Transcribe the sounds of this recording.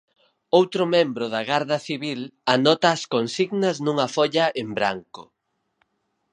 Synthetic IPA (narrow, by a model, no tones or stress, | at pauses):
owt̪ɾʊmẽmbɾʊðaɣaɾðɐθiβilanɔt̪ɐːskonsiɣnɐznuŋɐfɔʎɐʔembɾa̰ŋkʊ